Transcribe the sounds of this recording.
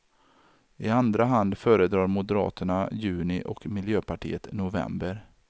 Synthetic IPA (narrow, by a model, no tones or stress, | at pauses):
ɪand̪ɾaɦand̪fœːɾəd̪ɾɑːɾmʊd̪əɾɑ̰ːt̪əɳajʉ̟ːnɪʔɔ̰kmɪljøːpʰaʈʰḭːət̪nʊvɛ̰mbəɾ